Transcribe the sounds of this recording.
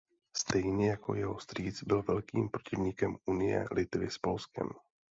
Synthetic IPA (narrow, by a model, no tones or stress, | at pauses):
st̪ɛjɲɛjako̞̰jɛɦo̞st̪riːt͡sbɪlvɛlkiːmpɾo̞cɪvɲikɛmunɪjɛ̰lʔɪt̪vɪspo̞lskɛ̰m